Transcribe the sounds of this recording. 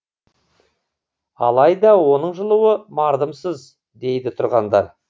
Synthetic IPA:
ɑ̰lˠɑjd̪ɑwo̞nəɴʒəlˠuwəmɑɾd̪əmsəz | d̪e̞jd̪ɪt̪ʰʊɾʁɑnd̪ɑ̰ɾ

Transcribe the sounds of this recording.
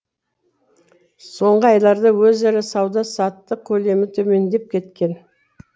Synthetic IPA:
so̞ɴʁəɑjlˠɑɾd̪əwɵzɪɾɪsɑwd̪ɑsɑt̪ːəq̚kʲʰɵle̞mɪt̪ʰɵme̞nd̪e̞p̚kʲʰe̞t̪kʲe̞n

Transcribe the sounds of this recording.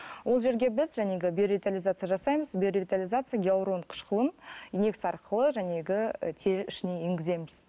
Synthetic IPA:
wʔo̞lˠʒe̞ɾɡʲe̞bɪzʒæne̞ɡʲɪbʲioɾivʲit̪alʲizat̪sɨjaʒɑsɑjməzbʲioɾʲivʲit̪alʲijzat̪sɨjaɡʲeawɾo̞nqʰə̥ʃqəlˠənineksɑɾqʰəlˠəʒæne̞ɡʲɪ̰t̪ʰe̞ɾɪʃɪne̞jeŋɡʲɪze̞mɪz̥

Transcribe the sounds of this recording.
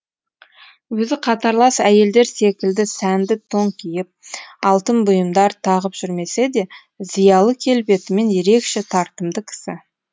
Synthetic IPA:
wɵzɪqʰɑt̪ɑɾlˠɑsæje̞ld̪e̞ɾse̞kʲɪld̪ɪsænd̪ɪt̪ʰo̞ŋkʲʰijɪp̚ɑlˠt̪əmbʊjəmd̪ɑɾt̪ʰɑʁəpʒ̥ʏɾme̞se̞d̪e̞ | zijɑlˠəkʲʰe̞lbe̞t̪ɪme̞nje̞ɾe̞kʃe̞t̪ʰɑɾt̪əmd̪əkʲʰɪ̥sɪ̰

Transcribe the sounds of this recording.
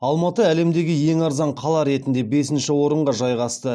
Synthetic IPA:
ɑlˠmɑt̪əæle̞md̪e̞ɡʲɪje̞ŋɑɾzɑɴqʰɑlˠɑɾe̞t̪ɪnd̪e̞be̞sɪnʃɪwo̞ɾəɴʁɑʒɑjʁɑst̪ə

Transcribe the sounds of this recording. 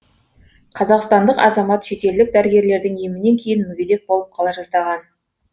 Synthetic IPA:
qʰɑzɑqst̪ɑnd̪əqɑ̰zɑmɑt̪ʃe̞t̪e̞ld̪ɪk̚d̪æɾɪɡʲe̞ɾle̞ɾd̪ɪŋemɪne̞ŋkʲʰe̞jɪnmʏɡʲed̪e̞k̚bo̞lˠəp̚qʰɑlˠɑʒɑzd̪ɑʁɑn

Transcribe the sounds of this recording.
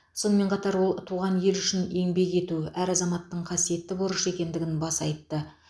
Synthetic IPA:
so̞nəme̞ɴqʰɑt̪ɑɾwo̞lˠt̪ʰuʁɑnje̞lʏʃɪne̞ŋbe̞ke̞t̪uʔæɾɑzɑmɑt̪ːəɴqʰɑsije̞t̪ːɪboɾəʃe̞kʲe̞nd̪ɪɡʲɪnbɑsɑjt̪ːə

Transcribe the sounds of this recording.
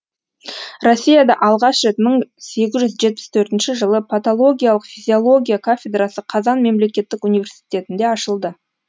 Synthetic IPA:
ro̞sʲːijad̪ɑʔɑlˠʁɑʃʒet̪məɴse̞ɡʲɪzʒʏzʒe̞t̪̚pɪ̥st̪ʰɵɾt̪ɪnʃɪʒəlˠəpʰat̪olˠo̞ɡʲijalˠəqfʲizʲio̞lˠo̞ɡʲijakʰafʲed̪rasəqʰɑzɑnme̞mle̞kʲe̞t̪ːɪkunive̞rsi̥t̪ʲe̞t̪ɪnd̪e̞ɑʃəlˠd̪ə

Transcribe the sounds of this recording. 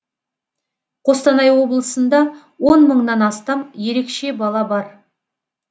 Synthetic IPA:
qʰo̞st̪ɑnɑjwo̞blˠəsənd̪ɑ | wo̞nməɴnɑnɑst̪ɑmje̞ɾe̞kʃe̞bɑlˠɑbɑɾ

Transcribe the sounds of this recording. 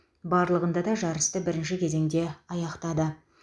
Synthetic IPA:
bɑɾlˠəʁənd̪ɑd̪ɑʒɑɾəst̪əbɪɾɪnʃɪkʲʰe̞ze̞ŋd̪e̞ɑjɑqt̪ɑd̪ə

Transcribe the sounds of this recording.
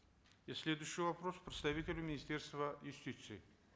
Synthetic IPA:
ɪsʲlʲed̪ʊjɕːɪjvɐpɾospɾʲɪt̪st̪ɐvʲit̪ʲɪlʲʊmʲɪnʲɪsʲt̪ʲerst̪vəjʊsʲtʲit̪sɨɪ

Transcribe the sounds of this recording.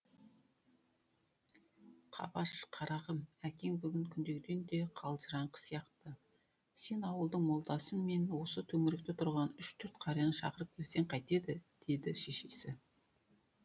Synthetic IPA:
qʰɑ̰bɑʃqʰɑɾɑʁəmækʲe̞ŋbʏɡʲɪŋkʲʰʏnd̪e̞ɡʲɪd̪e̞nd̪e̞qʰɑlˠʒəɾɑɴqə̥sijɑqt̪ə | se̞nɑwəlˠd̪əɴmo̞lˠd̪ɑsənme̞nwo̞sət̪ʰɵŋɪɾɪk̚t̪ɪt̪ʰʊɾʁɑnʏʃt̪ʰʏɾt̪qʰɑɾɑjɑnəʃɑ̰qəɾəp̚kʲʰezt̪e̞ɴqʰɑjt̪e̞d̪ɪd̪̥e̞d̪ɪʃe̞ʃe̞sɪ

